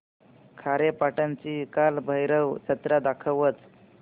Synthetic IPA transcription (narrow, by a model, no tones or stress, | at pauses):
kʰaɾepaʈant͡ɕiːkalbʱəjɾəwt͡ɕʰət̪ɾad̪akʰəʋət͡s